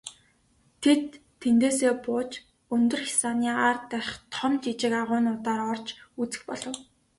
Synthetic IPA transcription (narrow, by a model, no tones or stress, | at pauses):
t̪ʰet̪ʰː | ent̪eːseːpʊːt͡ɕ | ɵnt̪ɵ̆rxi̥saniːart̪ːæɾ̆ʲχt̪ʰɔmt͡ɕit͡ɕɪ̆kaʁʊːnʊːt̪aːɾɔrt͡ɕut͡sɘ̥̆xpɔɮɞ̆w